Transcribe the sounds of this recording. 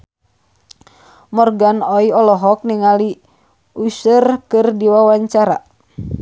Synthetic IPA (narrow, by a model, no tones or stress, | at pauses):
mɔrɡanɔiɔlɔɦɔk̚niŋali | usərkɨrdiwawaɲt͡ʃaɾa̰